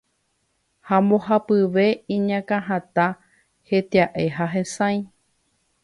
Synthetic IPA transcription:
hamõhapɨʋe̞ĩɲãkãɦãt̪a | he̞t̪eaʔe̞ɦaɦẽsãj̃

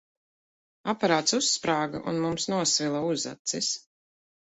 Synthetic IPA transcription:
apaɾaːt̪susːpɾaːɡa̰ʔṵnmumsnuɔsvilˠauza̰t̪sis

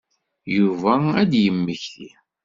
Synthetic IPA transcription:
juvææd̪jəmːəçθḭ

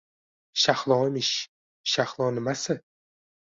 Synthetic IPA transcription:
ʃahlˠɒmɪʃ | ʃahlˠɒnɪmasɪ

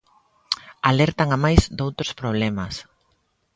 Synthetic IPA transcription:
alɛɾt̪aŋamajzd̪owt̪ɾʊspɾoβ̞lɛmɐs

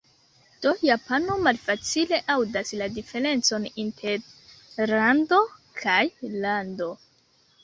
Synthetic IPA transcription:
d̥o̞japano̞malfat͡sile̞ʔawdasladife̞ɾe̞nt͡so̞nintʰe̞ɾlandokʰajlando̞

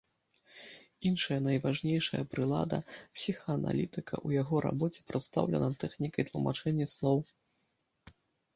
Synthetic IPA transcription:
inʂɐjɐnɐjvaʐnʲejʂɐ̰jɐ̰pɾɨlˠa̰d̪ɐ̰psʲixɐːna̰lʲit̪ɨkʰɐ̰ʔujaɣɔɾa̰bɔt͡sʲɛ̥pɾɨt̪st̪a̰wlʲɛ̰nɐt̪ɛxnʲikɐjt̪lˠuma̰t͡ʂɛnʲːɐslˠɔw

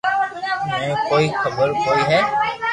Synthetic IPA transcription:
mɛ̃ːkoːiːxʰəbəɾkoːiːɦɛː

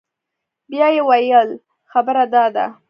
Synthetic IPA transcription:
bjɑjewajəl | xabəɾad̪ɑd̪a̰

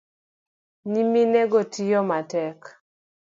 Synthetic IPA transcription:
niminɛɡɔtʰijɔmatɛk

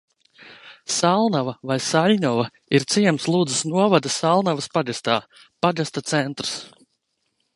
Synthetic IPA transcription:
salˠnavɐvajsaʎʲɲɔvɐ | iɾt̪siɛmslˠuːd̪zəsnuɔvad̪asalˠnavɐspaɡast̪aː | paɡast̪at̪sɛnt̪ɾs

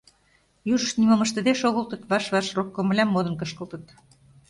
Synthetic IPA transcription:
juʒə̆ʃt̪nimomə̆ʃt̪ə̆d̪eʃoɣɤ̆lt̪ɤ̆t̪βɑʃβɑʃrokːŏmə̆lʲæmːod̪ɤ̆nkɤ̆ʃkəlˠt̪ɤ̆t̪

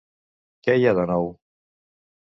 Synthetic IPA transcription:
kɛjaðənɔw

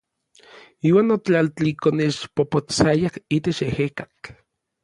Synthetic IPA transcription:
iːwaːnot͡ɬalt̪ikonet͡ʃpopot͡sajahit̪et͡ʃehekak

